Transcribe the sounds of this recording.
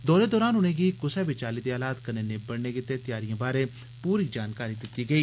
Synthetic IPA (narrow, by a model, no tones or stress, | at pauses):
d̪ɔːɾeːd̪ɔːɾaːnʊñeːɡiːkʊsɛːbɪt͡ʃaːliːd̪iːaːlaːt̪kəneːneːbəɽneːkɪt̪eːt̪ɪjaːɾijãːbaːɾeː | puːɾiːd͡ʒaːnkaːɾiːd̪ɪt̪iːɡəiː